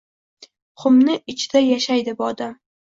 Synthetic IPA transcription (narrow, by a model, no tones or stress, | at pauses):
χʰʊmnɪɪt͡ʃʰɪ̥d̪̥ajaʃajd̪ɪbʊɒd̪am